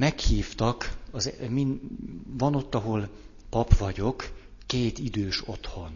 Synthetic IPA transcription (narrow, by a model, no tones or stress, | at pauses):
mɛkhiːft̪ɒkɒzminvɒno̞t̪ːɒɦo̞l | pɒpʋɒɟo̞kː | eːt̪id̪øːʃo̞t̪ho̞n